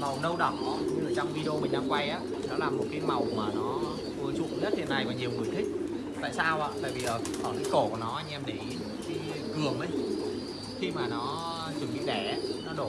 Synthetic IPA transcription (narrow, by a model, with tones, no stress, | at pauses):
ma˨˩wnə˧wɗə˧˩wɲɨ˧ə˨t͡ɕɔ˧wŋ͡mvi˧ɗo˧mi̟˨˩ɗaː˧˦ŋkwa˧jʔaː˨˦˨nɔ˨˦laː˨˩mo˨˩t̚kaː˨˦jma˨˩wmaː˨˩nɔ˨˦ | vɨ˨˧˩t͡ɕʊ̰˧˨ŋ͡mɲə˦˥t̚t̪ʰe˧na˨˩jkɔ˨˦ɲi˨˩əwŋɨ˨˩əjt̪ʰï˦˥k̟̚t̪a̰ː˧˨jsaː˧wʔaː˧˨t̪a̰ː˧˨jvi˨˩laː˨˩˨kɔ˨˩t̪ʰaː˨˦ko˧˩ku˧˩ənɔ˨˦ʔa˧jŋ̟ʔɛ˧mɗe˧˩˧ | ki˨˦ | kɨ˨˩əmʔə˧j | xi˧maː˨˩nɔ˨˦ | t͡ɕɨ˨˧˩əŋɓḭ˧˨ɗɛ˧˩˧nɔ˨˦ɗo˧˩